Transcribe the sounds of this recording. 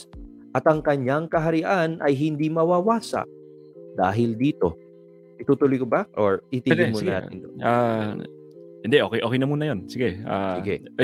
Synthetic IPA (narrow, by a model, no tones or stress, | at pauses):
ʔɐt̪ɐŋkɐɲjaŋkɐɦɐɾɪʔanʔɐ̰jɦɪnd̪imɐwaːwaːsɐ̰ | d̪a̰ːɦɪld̪iːt̪o̞ | ʔɪt̪uːt̪ʊlʊjkobɐʔoɹit̪iɪmona̰tɪnd̪ona | hɪnd̪ɛʔoːkɛjʔoːkɛjnɐmuːnɐjonsɪɡɛʔasɪɡɛ̰